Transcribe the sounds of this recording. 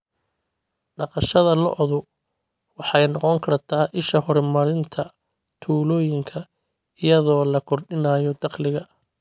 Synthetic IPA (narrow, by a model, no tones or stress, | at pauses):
ɖɑqɑʃɐðɐlɔʔɔðʊ | wɑħɑjnɔqɔŋkʰɐrt̪ʰaːʔɪʃɐɦɔɾmɐɾɪnt̪ʰɐ | t̪ʰuːlɔːjɪŋkʰɐ | ɪjɐðɔːlɐkʰɔrɖɪnaːjɔd̪ɑqlɪɣɐ